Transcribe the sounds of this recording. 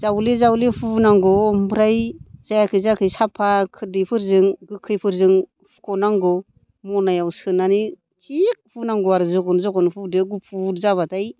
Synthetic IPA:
zawlizawlipʰunaŋɡɔːmbʰɾajz̥ajakʰɯzakʰɯjsapʰakʰɯdipʰɯɾzɯŋɡɯkʰːɯjpʰɯɾzɯŋ | pʰu̥kʰɔnaŋɡɔ | mɔnajawsɯnani | t͡ʃik̚pʰunaŋɡɔaɾɯzɔkɔnzɔkɔnpʰudɯɡupʰuɾzaβataj

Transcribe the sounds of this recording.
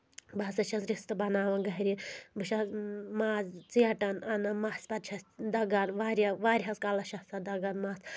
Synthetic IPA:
bɐsɐt͡ʃʰɐsɾist̪ɨbɐnaːʋɐnɡɐɦɾʲibɨʃɐzmaːzt͡siɐʈɐnɐnɐmaːspɐt̪̚t͡ʃʰɐsd̪ɐɡɐnʋaːɾjɐʋaːɾʲɦɐskalɐʃɐsɐd̪ɐɡɐnmaːs

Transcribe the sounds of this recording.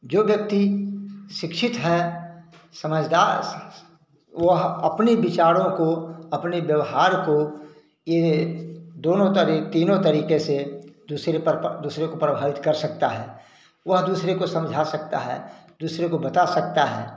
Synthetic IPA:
d͡ʒoːʋjək̚t̪i | ʃɪkʃʰɪt̪ɦɛ | sɐməd͡ʒʱd̪a | ʋəɦɐpnibɪt͡ʃaːɾõkoɐpneʋjəʋɦaːɾko | je | d̪oːnõəɾit̪iːnõt̪ɐɾiːkesed̪uːsɾepəɾd̪uːsɾekopɾəbʱaːʋɪt̪kɐɾsɐk̚t̪aɦɛː | ʋɐɦd̪uːsɾekosɐ̃md͡ʒʱasɐk̚t̪a̰ɦɛ̰ːd̪uːsɾekobət̪asɐk̚t̪aɦɛ̰ː

